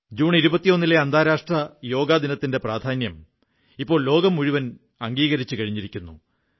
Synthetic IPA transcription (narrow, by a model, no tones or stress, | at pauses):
d͡ʑuːɳiɾubɐt̪ːijo̞nːile̞ɐnd̪ʱaːɾaːʂʈrɐjo̞ːɡaːd̪inɐt̪ːinde̞praːd̪ʱaːnjɐm | ipːo̞ːɭlo̞ːɡɐmuɻiʋɐn | ɐŋɡiːɣɐɾit͡ɕːɨkɐɻiɲːiɾikʲːunːu